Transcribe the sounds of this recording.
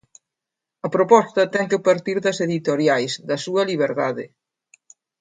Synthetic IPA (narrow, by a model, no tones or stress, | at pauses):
ɐpɾopɔst̪ɐt̪ɛŋkɪpɐɾt̪iɾðɐseðit̪oɾjajsðɐsuɐliβ̞eɾðaðɪ̰